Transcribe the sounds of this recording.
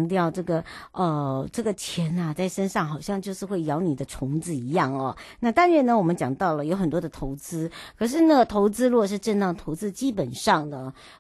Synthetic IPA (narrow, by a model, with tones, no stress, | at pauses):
ŋt̪jɑ˥˧ʊʈ͡ʂɤ˥˩ɡə˩ə˧ʈ͡ʂɤ˥˩ɡə˩t͡ɕʰjɛ˧˥na˨t͡sa˥˩ɪʂə˥nʂɑ˥˩ŋxɑ˨˩ʊɕjɑ˥˧ŋt͡ɕjo˥˧ʊʂɻ̩˥˧xwe˥˩ɪjɑ˧˥ʊni˨˩d̪ə˦ʈ͡ʂʰʊ˧˥ŋt͡sɹ̩˧˩i˧˥jɑ˥˩ŋɐ˩na˥˧t̪a˥˧nɻɛ˥˩nə˨wɔ˨˩mə˦nt͡ɕjɑ˨˩ŋt̪ɑ˥˩ʊlə˩jo˧˥xə˨˩nt̪wɔ˥d̪ə˨t̪ʰo˧˥ʊt͡sɹ̩˥kʰɤ˨˩ʂ̬ɻ̩˥˧na˥˩ɡə˩t̪ʰo˧˥ʊt͡sɹ̩˥lwɔ˥˧ʂ̬ɻ̩˥˧ʈ͡ʂə˥˧nt̪ɑ˥˩ŋt̪ʰo˧˥ʊt͡sɹ̩˥t͡ɕi˥pə˨˩nʂɑ˥˩ŋd̪ə˩